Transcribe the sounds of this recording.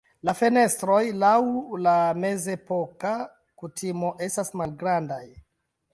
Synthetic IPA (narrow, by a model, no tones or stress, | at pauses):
lafe̞ne̞stɾo̞jlawlame̞ze̞po̞ka | kutʰimo̞ʔe̞stasmalɡɾandaj